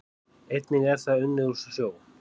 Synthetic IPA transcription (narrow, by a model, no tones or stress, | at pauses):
ejt̪nɪɣɛɾ̥θaðʏnːɪðusʏsjoːw